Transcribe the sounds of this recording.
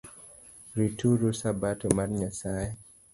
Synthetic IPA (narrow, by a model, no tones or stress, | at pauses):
ɾitʰuɾosabatɔmaɾɲasajɛ